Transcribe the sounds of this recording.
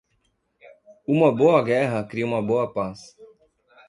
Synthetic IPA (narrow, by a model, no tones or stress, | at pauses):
ũmɐboɐɡɛɦɐkɾiũmɐboɐpas